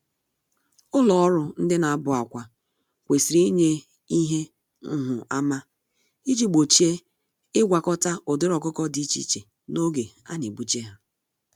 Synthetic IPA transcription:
ʊ˦lɔ˨ɔ˦ɾʊ˨n̩˦dɪ˦na˨a˦bʊ˨a˨kʷa˨ | kʷe˨si˨ɾi˦ɲe˦ | i˦ɦe˦ | ŋ̩˦ɦʊ˨a˦ma˦ | i˦d͡ʒi˦ɡ͡bo˨t͡ʃi˦e˦ | ɪ˦ɡʷa˨kɔ˦ta˦ʊ˨dʊ˦ɾɔ˨kʊ˦kɔ˦di˦t͡ʃḭ˦t͡ʃe˨ | no˦ɡe˨ | a̰˦ne˨bu˦t͡ʃe˦ɦa˦

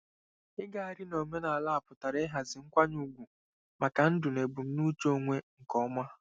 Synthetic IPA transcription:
ɪ˦ɡa˦a˨ɾɪ˦no˨me˦na˨la˦a˨pʊ˨ta˨ɾe˦ɦa˨zɪ˨ŋ̩˦kʷa˦ɲu˦ɡʷu˨ | ma˨ka˨n̩˦dʊ˨ne˨bʊ˨m̩˦nu˦t͡ʃo˦ŋʷe˦ŋ̩˨kɔ˦ma˦

